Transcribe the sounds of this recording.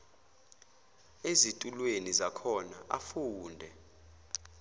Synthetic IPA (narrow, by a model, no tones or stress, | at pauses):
ezitʼulwenizakʰɔnaʔafuːndʱɛ